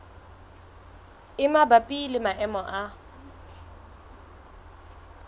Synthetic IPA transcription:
ɪmabapʼilɪmaʔɛmɔʔa

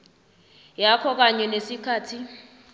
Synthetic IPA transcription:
jakʰɔk̬aɲɛnesikʰaːtʰi

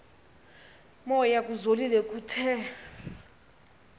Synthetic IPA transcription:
mɔjak̬ʼuzolilɛkʼutʰɛ

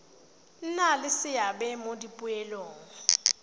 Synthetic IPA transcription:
nalɪsɪjabɛmodipʼʊɛlɔːŋ̩

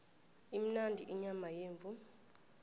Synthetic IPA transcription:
im̩nandʱiʔiɲamajeːɱvu

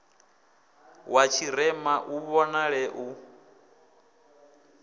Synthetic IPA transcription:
wat͡ʃʰiɾɛmaʔuβɔnaɺɛʔu

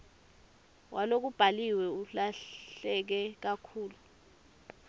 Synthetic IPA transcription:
wʔalok̬ub̥ʱaliwɛuɬaɬɛk̬ɛk̬akʰuːlu

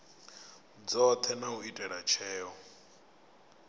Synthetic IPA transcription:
d͡zɔt̪ʰɛnauitʼɛɺat͡ʃʰɛːɔ

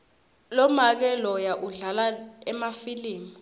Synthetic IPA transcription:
lɔmak̬ɛlɔjaʔuɮalaɛmafiliːmɔ

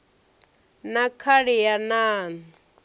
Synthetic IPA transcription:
nakʰaɺɛjanaːni

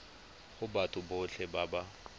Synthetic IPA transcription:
χʊbatʰʼʊboɬʰɛbaba

